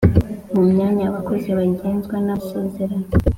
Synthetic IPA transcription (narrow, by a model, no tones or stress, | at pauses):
mumɲaːɲaβako̞ziβaɟeːnzɡwanaseːzeɾano